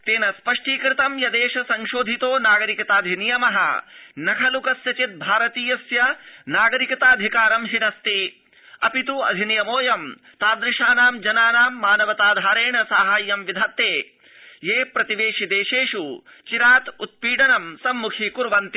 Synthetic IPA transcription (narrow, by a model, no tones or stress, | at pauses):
t̪eːnɐspɐʂʈiːkɾɪt̪ɐmjɐd̪eːʃɐsɐŋʃoːd̪ʱit̪oːnaːɡɐɾikɐt̪aːd̪ʱinijɐmɐɦɐ̰nɐkʰɐlukɐsjɐt͡ʃit̪̚bʱaːɾɐt̪iːjɐsjɐnaːɡɐɾikɐt̪aːd̪ʱikaːɾɐmɦinɐst̪i | ɐpit̪uɐ̰d̪ʱinijɐmoːjɐm | t̪aːd̪ɾɪʂaːnaːmd͡ʒɐnaːnaːmːaːnɐʋɐt̪aːd̪ʱaːɾeːɳɐsaːɦaːjːɐmʋid̪ʱat̪ːeː | jeːpɾɐt̪iʋeːʃid̪eːʃeːʂu | t͡ʃiɾaːt̪ut̪̚piːɖɐnɐmsɐmːukʰikuɾʋɐnt̪i